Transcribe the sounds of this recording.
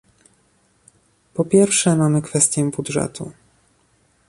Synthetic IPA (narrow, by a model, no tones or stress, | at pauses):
pɔpʲjɛɾfʂɛmamɘkfɛst̪ʲjɛbudʐɛ̰t̪ʰu